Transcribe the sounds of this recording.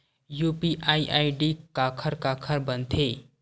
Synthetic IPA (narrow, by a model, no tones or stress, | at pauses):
juːpiʔaːiʔaːiɖikaːkʰəɾkaːkʰəɾbə̃nt̪ʰeː